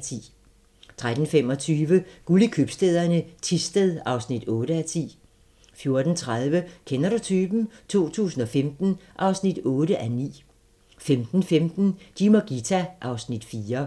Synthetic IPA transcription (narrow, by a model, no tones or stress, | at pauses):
t͡sʰḭː | t͡sʰʁad̥n̩fem̰ɒ̽t͡sʰyːʋəɡ̥ulikʰøb̥sd̥eð̞ˠɐnət͡sʰisd̥eðˠɑ̈ʊsnid̥ɔ̽ːɾəæt͡sʰḭː | fjo̝ɐd̥n̩t͡sʰʁað̞ˠʋəkʰenɐɾut͡sʰyːb̥n̩t͡sʰo̝̰ːt͡sʰṵːsn̩ɒ̽femd̥n̩ʔɑ̈ʊsnid̥ɔ̽ːɾəʔænḭː | femd̥n̩femd̥n̩d̥imoɡ̥it͡sʰæʔɑ̈ʊsnid̥fiːɐ